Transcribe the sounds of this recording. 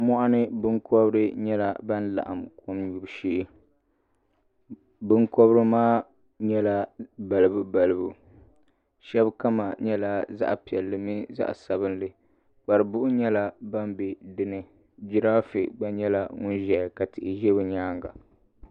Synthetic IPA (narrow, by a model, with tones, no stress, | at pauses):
mɔ˦ʔa˦nɨ˦bɨ˦ŋkʰɔ˦bɾɨ˦ɲɛ˦la˨ba˦n˦la̰˨ʔa̰˨mkʰo˦mɲu˨bʃi˦ | bɨ˦ŋkɔ˦bɾɨ˦maː˦ | ɲɛ˦la˦ba˨lɨ˦bɨ˦ba˨lɨ˦bu˨ | ʃɛ˦bka˦ma˨ɲɛ˦la˦za̰˦ʔpi˨ɛ˨lːɨ˨mi˦za̰˦ʔsa˨bɨ˦nlɨ˨ | k͡pa˨ɾɨ˨bʊ˦ʔʊ˦ɲɛ˦la˦ba˦mbe˨dɨ˦nɨ˦ | d͡ʒi˦ɾa˦fḭ˨ɡ͡ba˦ɲɛ˦la˦ŋʊ˦nʒɛ˨ka˨tɪ˨ʔɪ˨ʒɛ˦bɨ˨ɲaː˦ŋɡa̰˨